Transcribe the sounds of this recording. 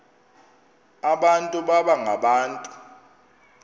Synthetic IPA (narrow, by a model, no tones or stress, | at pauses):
aɓantʼuɓaɓaŋaɓaːntʼu